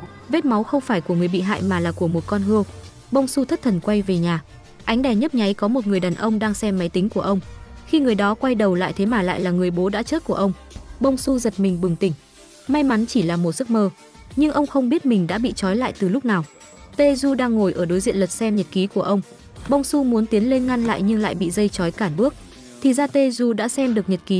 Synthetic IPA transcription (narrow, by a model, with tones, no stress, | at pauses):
ve˦˥t̚ma˨˦wxə˧wŋ͡mfaː˧˩jku˧˩əŋɨ˨˩əjɓḭ˧˨ɦa̰ː˧˨jmaː˨˩laː˨˩ku˧˩əmo˨˩t̚kɔ˧nɦɨ˧əw | ɓə˧wŋ͡msu˧t̪ʰə˦˥t̚t̪ʰə˨˩nkwa˧jve˨˩ɲaː˨˩ | ʔa˨˦jŋ̟ɗa˧˩ɲə˦˥t̚ɲa˨˦jkɔ˨˦mo˨˩t̚ŋɨ˨˩əjɗaː˨˩nʔə˧wŋ͡mɗaː˧ŋsɛ˧mːa˨˦jt̪ï˨˦ŋ̟ku˧˩əʔə˧wŋ͡mxi˧ŋɨ˨˩əjɗɔ˨˦kwa˧jɗə˨˩wla̰ː˧˨jt̪ʰe˨˦maː˨˩la̰ː˧˨jlaː˨˩ŋɨ˨˩əjɓo˨˦ɗa̰ː˧˥t͡ɕəː˦˥t̚ku˧˩əʔə˧wŋ͡m | ɓə˧wŋ͡msu˧zə˨˩t̚mï˨˩ŋ̟ɓɨ˨˩ŋt̪ï˧˩ŋ̟ | ma˧jma˨˦nt͡ɕi˧˩laː˨˩mo˨˩t̚sɨ˦˥k̚məː˧ | ɲɨ˧ŋʔə˧wŋ͡mxə˧wŋ͡mɓi˦˥ət̚mï˨˩ŋ̟ɗa̰ː˧˥ɓḭ˧˨t͡ɕɔ˨˦jla̰ː˧˨jt̪ɨ˨˩lʊ˦˥k͡p̚naː˨˩w | t̪e˧zu˧ɗaː˧ŋːo˨˩jʔəː˧˩ɗo˨˦jzḭ˧˨ənlə˨˩t̚sɛ˧mɲə˨˩t̚ki˨˦ku˧˩əʔə˧wŋ͡m | ɓə˧wŋ͡msu˧mu˨˦nt̪i˨˦ənle˧nŋa˧nla̰ː˧˨jɲɨ˧ŋla̰ː˧˨jɓḭ˧˨zə˧jt͡ɕɔ˨˦jkaː˧˩nɓɨ˦˥ək̚ | t̪ʰi˨˩zaː˧t̪e˧zu˧ɗa̰ː˧˥sɛ˧mɗɨ˨˩ək̚ɲə˨˩t̚ki˨˦